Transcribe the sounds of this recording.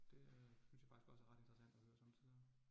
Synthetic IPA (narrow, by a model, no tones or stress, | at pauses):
d̥e̝synsjɑ̈fɑ̈ɡ̥i̥sɡ̥ɒ̽səæɐʁɑd̥e̝nd̥ʁɑsæn̰d̥ɒhøːɐsɒmət͡sʰið̰ˠ